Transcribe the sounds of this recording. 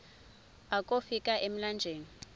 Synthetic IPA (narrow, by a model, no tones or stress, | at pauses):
akʼofikʼaʔem̩land͡ʒʱeːŋi